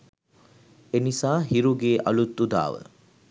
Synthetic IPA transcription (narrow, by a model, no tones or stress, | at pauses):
enisaːɦiɾuɡeːʔɐlut̪ːud̪a̰ːʋə̰